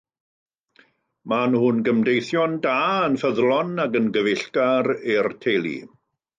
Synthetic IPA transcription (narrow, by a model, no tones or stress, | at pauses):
manhʊnɡəmdejθjɔndaːənfəðlˠɔnakənɡəvɪɬkaɾirtʰeːlˠḭ